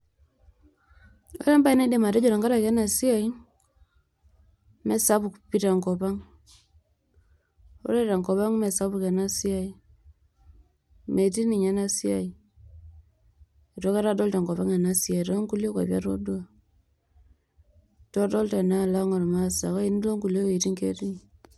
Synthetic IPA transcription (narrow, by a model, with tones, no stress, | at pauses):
ɾa˦mba˦i˦na˦i˦de˨ma˨ta˦d͡ʒo˨ɾa˨ŋɡa˦ɾa˨kɛ˦na˨si˦a˨i˦ | mɛ˦sa˦pu˨kpi˦ta˨ŋko˨pa˦ŋ | o̰˦ɾe˦ta˨ŋkɔ˨pa˦ŋme˨sa˦βu˨ke˨na˦si˦a˨i˦ | me˨ti˦ni˨ɲa˦na˦si˦a˨i˦ | i˨to˨˦ka˦ɾa˦dɔ˦lta˨ŋkɔ˨pa˦ŋa˨na˦si˦a˨to˦ŋku˦lo˦ka̰˨pja̰˦ɾo̰˦du˦a˨ | to˦do˦lta˨na˦la˦ŋo˨ɾma˦sa˨ka˦i˦ni˦lo˦ŋku˨lo˦we˨ti˦ŋkḛ˦ti˦ni˨